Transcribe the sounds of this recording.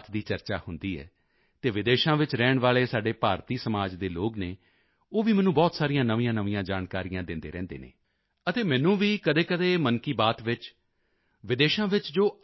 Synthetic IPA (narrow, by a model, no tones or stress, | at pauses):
t̪d̪iːt͡ʃəɾt͡ʃaːhʊnd̪iːɛ̰ː | t̪eːʋɪd̪eːʃãːʋɪt͡ʃɾɛːɳʋaːɭeːsaːɖeːpaːɾt̪iːsəmaːd͡ʒd̪eːloːɡneː | oːʋiːmɛːnũːbɔːt̪saːɾijãːnəʋɪ̃jãːnəʋɪ̃jãːd͡ʒaːnkaːɾijãːd̪ɪnd̪ḛːɾɛ̃ːnd̪ḛːnḛː | ət̪eːmɛːnũːʋiːkəd̪eːkəd̪eːmənkiːbaːt̪ʋɪt͡ʃ | ʋɪd̪eːʃãːʋɪt͡ʃd͡ʒoː